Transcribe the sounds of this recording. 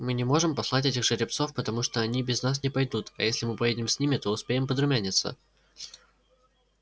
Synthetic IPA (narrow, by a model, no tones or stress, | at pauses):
mɨnʲɪmo̞ʐɨmpɐslˠatʲetʲɪxʐɨɾʲɪp̚t̪so̞fpət̪ɐmuʂt̪oɐnʲibʲɪznas̬nʲɪpɐjd̪ut̪ɐ̰jesʲlʲɪmɨpɐjedʲɪmsʲnʲimʲɪt̪o̞ʊspʲeɪmpəd̪ɾʊmʲænʲɪt̪sə̰